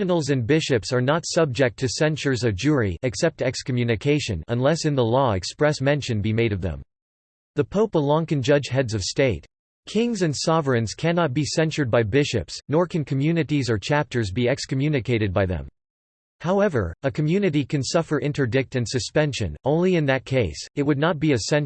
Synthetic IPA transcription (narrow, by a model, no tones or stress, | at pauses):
nl̩ˠzɨ̃nbɪʃɨpsə˞nətsʌb̚d͡ʒɛk̚tʰɨsɛ̃nt͡ʃə˞zʌvd͡ʒʊɹḭɨksɛp̚tɛkskəmjʉnɨkʰeɪʃɨ̰̃nə̰̃nlɛsɨ̃nðəlɔɛkspɹɛsmɛ̃nʃɨ̃nbimeɪɾʌvðɨ̰̃m | ðəpʰoʊpəlɔ̃ŋkɨ̃nd͡ʒʌd͡ʒ̥ɦɛdzʌv̥steɪt̚ | kʰɪ̃ŋzɨ̃nsɑvɨ̃nz̥kʰænɑt̚b̥isɛ̃nt͡ʃə˞d̚baɪbɪʃɨ̰psnɔɹkʰɨ̃nkʰɨmjʉnɨɾizə˞t͡ʃʰæp̚tʰə˞zbiɛkskɨmjʉnɨkʰeɪɾɨd̚baɪðɨ̰̃m | haʊɛvə̰˞ɨkʰɨmjʉnɨɾikʰɨ̃nsʌfə˞ʔɪ̃ntə˞dɪk̚tɨ̃nsɨspɛ̃nʃɨ̰̃nõʊ̃nliɨ̃nðɨt̚kʰeɪsɨt̚wədⁿnət̚b̥iɨsɛ̃n